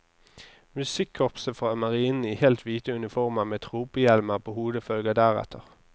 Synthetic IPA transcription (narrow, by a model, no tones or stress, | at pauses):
mʉsɪkʰːɔpsəfʁɑːmɑʁiːnn̩iːhɛlt̪ʰʋiːt̪əʉnɪfɔʁmɑːmɛt̪ʰʁuːpəjɛlməʁpʰoːhuːd̪əfœlɡɑd̪æːʁɛ̰t̪ʰəʁ